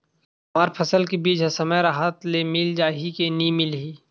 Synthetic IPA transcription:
maːɾpʰəsəlkebiːd͡ʒɦɐsəməɾaɦaːt̪lemɪld͡ʒaːɦikenimɪlɦiː

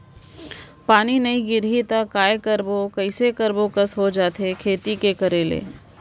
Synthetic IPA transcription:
paːninɐĩɡɪɾɦit̪akaːjekɐɾbokɐɪsekɐɾbokəsɦod͡ʒaːt̪ekʰeːt̪ikekɐɾeːlḛː

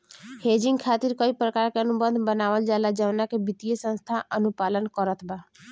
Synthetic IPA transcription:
heːd͡ʒɪŋɡkʰaːt̪iɾkəipɾəkaːɾkeənubənd̪bənaːʋəld͡ʒalad͡ʒəʋnakebɪt̪iesə̃nst̪ʰaʔənupaːlənkəɾət̪ʰba

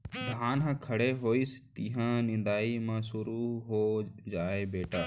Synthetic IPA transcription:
bʱɦaːnɦãːkʰəɽeːɦoːiːst̪iːɦãːnɪ̃nd̪aːiːmãːsʊɾuːɦoːd͡ʒaːeːbeːʈaː

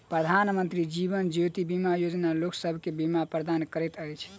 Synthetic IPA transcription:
pɾəd̪ʱanmənt̪ɾid͡ʒibənd͡ʒot̪ibimajod͡ʒnaloksəbʱkebimapɾəd̪ankəɾɛt̪əjt͡ʃʰ

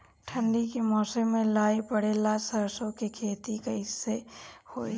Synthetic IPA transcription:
ʈʰə̃ɳɖikemɔːsemẽlaːebɐɽelasɐɾsõkekʰeːt̪ikeɦɪsːehoːe

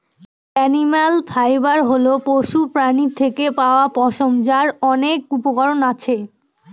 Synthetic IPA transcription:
ɛnimalpʰajbaɾɦolopoʃupɾanit̪ʰekepaoapɔʃomd͡ʑaɾɔnekupoɡɔɾonat͡ɕʰe

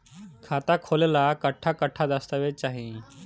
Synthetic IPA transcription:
kʰat̪akʰolelakəʈʰːakəʈʰːad̪əst̪əʋet͡ɕaɦĩ

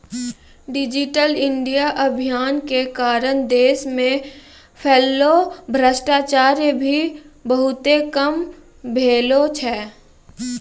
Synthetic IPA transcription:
ɖɪd͡ʒɪʈəlɪ̃ɳɖijaʔəbʱijaːnkekaːɾəñd̪eːsmẽ | pʰeːlːobʱɾəsʈaːt͡ʃaːɾjbʱibəɦʊt̪ekəm | bʱeːlot͡ʃʰɛː

